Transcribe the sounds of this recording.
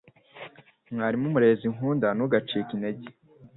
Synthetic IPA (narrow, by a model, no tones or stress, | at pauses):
mŋaːɾimumuɾe̞ːziŋɦuːndanuɡat͡ʃiːkineɟe